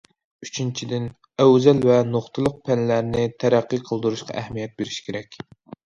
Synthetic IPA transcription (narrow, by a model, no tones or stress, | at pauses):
yt͡ʃʰint͡ʃʰid̪ɪn | æwzælvɛnoχt̪ʰɨlˠʊq̚pʰɛnlæɾnɪt̪ʰæɾæqːɨqʰəlˠd̪ɨɾuʃqʰɑ̰ʔæhmijɛt̪̚beɾɪʃkʲʰeɾɛkʲ